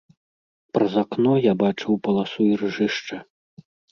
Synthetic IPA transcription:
pɾɐzaknɔjabat͡ʂɨwpɐlˠasuirʐɨʂt͡ʂɐ

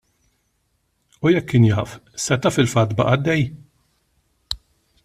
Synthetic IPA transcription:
ujɛkːɪnjɐːfsɛt̪ɐfɪlfɐt̪ːbɐ̰ʔɐd̪ːɛj

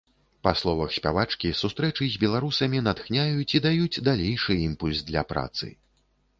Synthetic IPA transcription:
paslˠɔvɐxsʲpʲavat͡ʂkʲisust̪ɾɛt͡ʂɨzʲbʲɛlˠaɾusɐmʲinat̪xnʲajut͡sʲid̪ajut͡sʲd̪alʲejʂɨimpulʲzd̪lʲɐ̰pɾa̰t̪sɨ̰

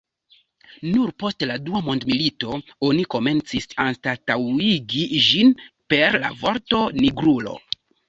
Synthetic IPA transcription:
nuɾpo̞stladuamo̞ndmilito̞o̞niko̞me̞nt͡sisanstatawiɡiʒinpe̞ɾla̰vo̞ɾto̞niɡɾulo̞̰

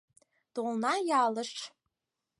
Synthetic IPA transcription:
t̪olˠnɑjɑːləʂt͡ʃ

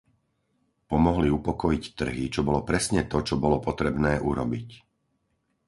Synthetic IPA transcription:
pɔmɔɦliupɔkɔjict̪r̩ɦit͡ʃɔbɔlɔpɾɛsɲɛt̪ɔt͡ʃɔbɔlɔpɔt̪ɾɛbnɛːʔuɾɔbic

